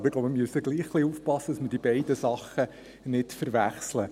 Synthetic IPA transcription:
bəɾɪɡloʊpməmyəsəɡliːχχliufpɑsːəd̥ɑsməɾd̥ibɛɪdəsɑχːə | nɪtfəɾʋæχslə

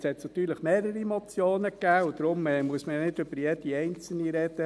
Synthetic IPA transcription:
shɛt̪snɑt̪yːɾləχmeːɾəɾimɔt͡sjoːnəkːæːʊd̪ɾʊmɛːmuəsməjɑnɪd̪øbəɾjed̥̪iɛɪnt͡sl̩niɾɛd̪̥ə

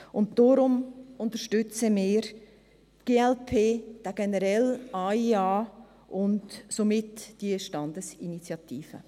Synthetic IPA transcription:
ʊnt̚d̥ɔɾʊmʊntəɾʃtʏt͡səmɪːɾ | tɡ̥eːɛlpʰeːd̥aɡ̥ɛnəɾɛlɑiɑː | ʔʊndsomɪtd̥iəʃtɑndəsinit͡sjɑtiːfə̰

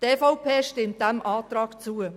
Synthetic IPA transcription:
teːfɔʊpʰeːʃtɪmt̚d̥ɛmʔɑːt̪ɾɑːkt͡suə

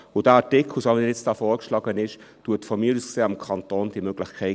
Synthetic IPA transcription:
ʊdæɑtɪkʰlusoːʋɛnjɛt͡std̥ɑːfɔːɾkʃlɑːɡənɪʃ | tuətfɔmiɾuskseːɑmkʰɑntoːnd̥iəmøɡ̥lɪxkʰɛɪ

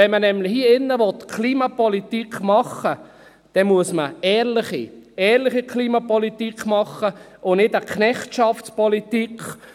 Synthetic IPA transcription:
ɛnmənɛmlɪhiəɪnːəʋɔt̪kʰliːmɑpɔlit̪ikmɑχːə | d̥ɛmuəsməɛːɾlɪχiɛːɾlɪχikʰliːmɑpɔlit̪ikχmɑχːə | ʔʊnɪdəkʰnɛχtʃɑfspɔlit̪ikχ

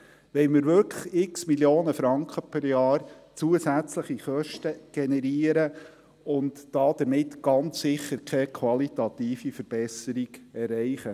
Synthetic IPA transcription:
ʋɛɪmɪɾʋʏɾkʰləχɪksmiljoːnəfɾɑŋkχəpʰœɾjɑːrt͡suəsæt͡sləχiχœʃtəɡ̥enɛɾiəɾə | ʊntːɑːd̪̥əɾmɪtɡ̥ɑnt͡ssɪχːəɾkʰɛkʰʋɑlit̪ɑt̪iːfifəɾb̥ɛsəɾiɡ̥ɛrɛɪχə

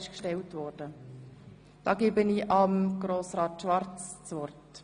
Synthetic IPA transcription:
ɪʃkʃtɛltvɔrd̥ə | d̥ɑ̰ːɡeːbəniːʔɑmɡ̥ɾoːsɾɑːtʃʋɑɾt͡st͡svɔrt

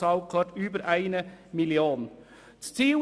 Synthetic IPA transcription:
ɑʊkʰɑʈʉːbəɾʔæɪnəmɪlɪoːn | t̪iː

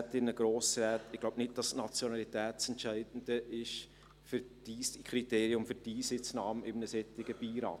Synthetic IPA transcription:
tɪnəɡ̥ɾoːsɾɛːtɪɡlaʊbnɪt̚d̥ɑsnɑt͡sjɔnɑlitɛːtsɛntt͡ʃæɪd̥n̩d̥əʔɪʃ | fʏɾdiːskχɾiteːɾiʊmfʏɾdiːsɪt͡snɑːmɪmnəsɛtːɪɡ̥əb̥iːɾɑ̰ːt

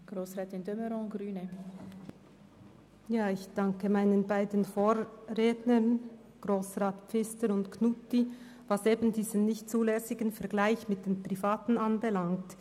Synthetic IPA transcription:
ɡ̥ɾoːsʁɛːt̪ɪndøməɾɔ̃ːɡɾyːnə | jaːɪçd̥aŋkəmaɪnənbaɪdənfoːɾreːdnən | ɡ̥ʁoːsʁaːtpp͡fɪstəɾʊndkʰnuti | vɑseːbəndiːzənːɪçtt͡suːlɛsɪɡənfɛɐɡlaɪçmɪt̚d̥eːnpʁ̥ifaːtn̩anbəlaŋkt

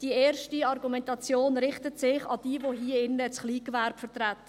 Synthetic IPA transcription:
d̥ieːɾʃtiɑrɡumɛntɑt͡sjoːnɾɪχtətsɪχɑ̰d̥iːəvoɦiːəɪnːət͡sχliːkʋæɾbfətʁæt̪ə̥

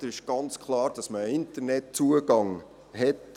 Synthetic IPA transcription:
əɾɪʃɡ̥ɑnt͡skχlˠɑːɾd̥ɑsməːɪntəɾnɛt̚t͡suəɡɑŋ | ɦɛt

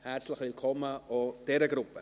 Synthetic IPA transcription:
hɛɾt͡sləχvɪlkʰɔmːəɔd̥ɛɾəɡɾʊpːə

